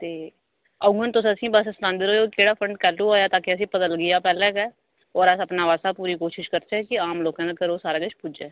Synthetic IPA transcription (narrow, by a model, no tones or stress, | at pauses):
t̪eː | əɡɡənt̪ʊsəsĩːbəssnãːnd̪ɪɾoːoːkeːɽaːpʰɾəɳɖkɛːluːoːjaːt̪ãːkɪəs̬ĩːpəd̪əlɡɪjaːpɛːlɛ̃ːkɛː | ɔːɾəsəpnaːʋaːsaːpuːɾiːkoːʃɪʃkəɾt͡ʃɛːkɪaːmloːkãːd̪aːkəɾoːsaːɾaːɡət͡ʃpʊd͡ʒeː